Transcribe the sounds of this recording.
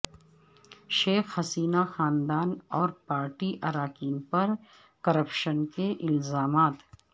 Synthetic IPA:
ʃeːxhɐsiːnaxaːnd̪aːnɔːɾpaːɾʈiʔɐɾaːkiːnpɐɾ | kɐɾəpʃənkeʔɪlzaːmaːt̪

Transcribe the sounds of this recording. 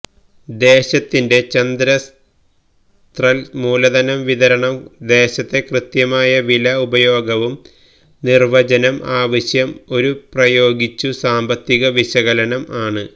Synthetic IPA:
d̪e̞ːɕɐt̪ːinde̞t͡ɕɐnd̪ɾɐs | t̪rɐlmuːlɐðɐnɐmʋiðɐɾɐɳɐmd̪e̞ːɕɐt̪ːe̞krɨt̪jɐmaːjɐʋilɐubɐjo̞ːɡɐʋum | nirʋɐd͡ʑɐnɐmʔaːʋɐɕjɐmo̞ɾuprɐjo̞ːɡit͡ɕːusaːmbɐt̪ːiɣɐʋiɕɐɣɐlɐnɐmaːɳɨ

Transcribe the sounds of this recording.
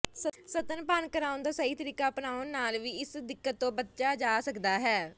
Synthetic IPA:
səsət̪ənpaːnkəɾaːʊnd̪aːsəɦiːt̪əɾiːkaːpnaːʊnːaːlʋiːɪsd̪ɪkːət̪ːõːbət̪ʃaːd͡ʒaːsəkd̪aːɦɛː

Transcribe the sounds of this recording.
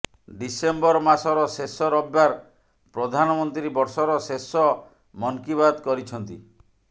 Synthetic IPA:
ɖisembɔɾmasɔɾɔsesɔɾɔbːaɾ | pɾɔd̪ʱanɔmɔnt̪ɾibɔɾsɔɾɔsesɔ | mɔŋkiβad̪kɔɾit͡ʃʰɔnt̪ḭ

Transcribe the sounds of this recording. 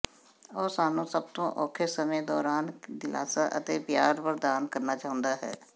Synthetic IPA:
ɔːɾsaːnũːsəb̚t̪õːʔɔːkʰeːsəmẽd̪ɔːɾaːnd̪ɪla̰ːsaːʔə̰t̪eːbjaːɾbəɾd̪aːnkəɾnaːt͡ʃaːɦʊ̃nd̪aːɦɛ̰ː

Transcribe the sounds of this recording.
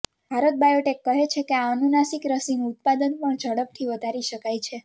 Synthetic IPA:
bʱaɾət̪̚bajoʈekːəɦet͡ʃʰekeaənunasikɾəsinuːt̪̚pad̪ənpəɳd͡ʒʱəɽəp̚t̪ʰiʋəd̪ʱaɾiʃəkajt͡ʃʰe

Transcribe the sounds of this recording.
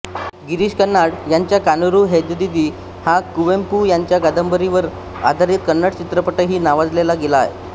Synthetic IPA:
ɡiɾiːɕkənːaɽjaɲt͡ɕjakanuɾuɦed̪d̪id̪iː | hãkuʋempujaɲt͡ɕjaɡad̪əmbəɾiʋəɾ | a̰d̪ʱaɾiːt̪̚kənːaʈt͡ɕit̪ɾəpəʈəɦiːnaʋad͡zlelaɡelaːjḛ

